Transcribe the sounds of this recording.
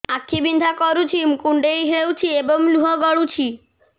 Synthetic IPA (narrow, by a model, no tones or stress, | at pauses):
akʰːibind̪ʱakɔɾut͡ɕʰimkuɳɖejɦewt͡ɕʰieboŋluɦoɡɔɽut͡ɕʰi